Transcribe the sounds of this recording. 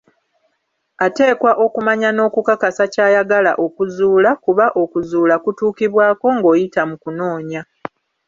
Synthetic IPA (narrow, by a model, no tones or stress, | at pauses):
ate̞ːkwaʔo̞kumaɲano̞ːkukakasacaːjaɡala̰ʔo̞kuzuːlakuβaʔo̞kuzuːlakutuːkiβwaːko̞ŋɡo̞ːjitamukuno̞ːɲa